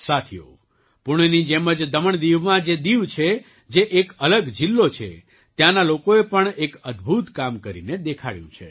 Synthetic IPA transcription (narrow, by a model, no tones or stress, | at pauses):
sat̪ʰijo̰ | pʊɳ̃nid͡ʒeməd͡ʒd̪əməɳd̪iʋmãd͡ʒed̪iʋt͡ʃʰe | d͡ʒeʔekələɡd͡ʒilːot͡ʃʰḛ | t̪jãnalokoepəɳekəd̪bʱut̪kamkəɾḭned̪ekʰa̰ɭjṵ̃t͡ʃʰḛ